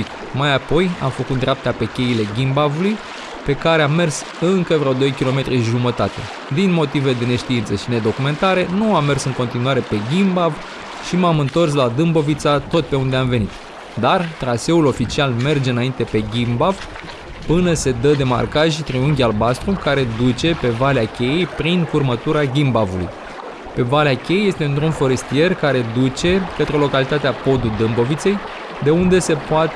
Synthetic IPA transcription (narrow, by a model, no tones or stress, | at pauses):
ik | majapo̞ja̰mfəkut̪d̪ɾʲeap̚t̪ape̞kʲe̞ile̞ɡʲimbavuluj | pe̞kaɾe̞amːe̞rs | ɨŋkəvɾeod̪o̞jkʲilo̞me̞t̪ɾiʒumət̪at̪e̞̰ | d̪inmo̞t̪ived̪e̞ne̞ʃt̪iint̪səʃine̞d̪o̞kume̞nt̪aɾe̞nuamːe̞rsɨŋko̞nt̪inuaɾe̞pe̞ɡʲimbav | ʃimamɨnt̪o̞rs̬lad̪ɨmbo̞vit̪sat̪o̞t̪̚pe̞und̪eamve̞nit̪ | d̪art̪ɾase̞ulo̞fit͡ʃialme̞rd͡ʒeɨnaint̪e̞pe̞ɡʲimbav̥ | pɨnəse̞d̪əd̪e̞ma̰rkaʒʲt̪ɾiuŋɡʲalbast̪ɾukaɾe̞d̪ut͡ʃe̞pe̞valeakʲe̞jejpɾinfurmət̪uɾaɡʲimbavulṵj | pe̞valeakʲejeje̞st̪e̞ɨnt̪ɾunfo̞ɾe̞st̪ije̞rkaɾe̞d̪ut͡ʃe̞kət̪ɾe̞lo̞kalit̪at̪eapo̞d̪ud̪ɨmbo̞vit̪se̞j | d̪e̞und̪e̞se̞poat̪e